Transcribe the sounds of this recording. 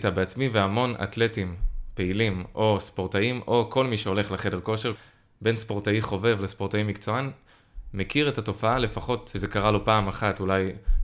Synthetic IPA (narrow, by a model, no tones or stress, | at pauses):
tabeat͡smiveamo̞na̰tle̞timpe̞ilimʔo̞spoʁtaimʔo̞kʰo̞lmiʃeo̞le̞χleχede̞ʁko̞ʃeʁ | be̞nspo̞ʁtaiχo̞ve̞vlespo̞ʁtaimikt͡so̞an | mekiʁe̞tato̞faale̞faχo̞tezekaʁalopaːmaχatulaj